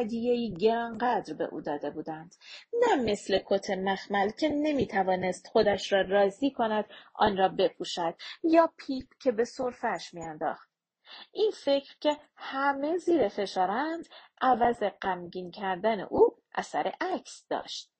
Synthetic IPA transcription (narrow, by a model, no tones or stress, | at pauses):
d̪ijejiːɟeɾɒŋɢæd̪ɾbe̞̰ʔṵːd̪ɒːd̪e̞buːd̪ænd̪̥næme̞sle̞kʰot̪ʰe̞mæxmælcʰe̞ne̞miːt̪ʰævɒːne̞st̪xo̞d̪æʃɾɒːrɒːziːkʰo̞næd̪̥ʔɒ̰ːnrɒːbe̞pʰuːʃæd̪̥̚jɒːpʰiːpcʰe̞be̞soɾfæʃmiænd̪ɒ̰ːxt̪ | ʔiːnfe̞cʰɾcʰe̞ | hæme̞ziːɾefe̞ʃɒːɾænd̪̥ʔævæze̞ɢæmɟiːncʰæɾd̪æne̞̰ʔuːʔæ̰sæɾe̞ʔæcʰsd̪ɒ̰ːʃt̪̚